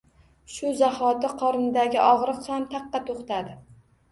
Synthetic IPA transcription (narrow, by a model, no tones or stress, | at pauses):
ʃʊzahɒt̪ɪqʰɒɾɪnd̪aɡʲɪʔɒʁɾɨqsamt̪ʰɑqːɑt̪ʰoχt̪ad̪ɪ